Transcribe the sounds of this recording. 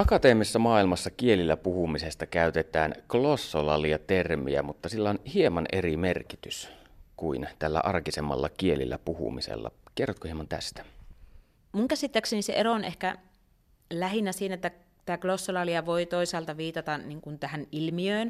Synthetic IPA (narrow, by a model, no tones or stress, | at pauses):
ʔɑkɑt̪eːmisːɑmɑːilmɑsːɑkielilːæpuhumisest̪ɑkæyt̪et̪æːnklosːolɑliɑt̪ermḭæ̰mut̪ːɑsilːæonhiemɑnʔerimerkit̪yskuint̪ælːæ̰ʔɑrkisemːɑ̰lːɑkielḭlːæ̰puhṵmisḛlːɑ̰kerːot̪̚kohiemɑnt̪æ̰st̪æ̥ | muŋkæsit̪ːækseniseʔeroonʔehkæ | læhinːˑæsiːnæet̪ːæ | t̪æːklosːolɑliɑʋoit̪oisɑːlt̪ɑʋiːt̪ɑt̪ɑniŋkunt̪æhænilmiøːn